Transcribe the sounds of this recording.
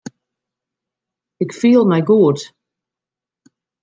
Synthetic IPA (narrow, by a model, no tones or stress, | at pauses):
ɪkfiːəlˠmɛjɡuət